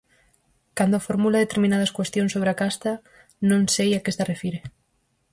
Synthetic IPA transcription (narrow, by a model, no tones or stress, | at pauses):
kand̪oafoɾmulaðet̪eɾmĩnað̞ɐskwest̪joŋsoβɾeakast̪a | nõŋsejakest̪arefiɾe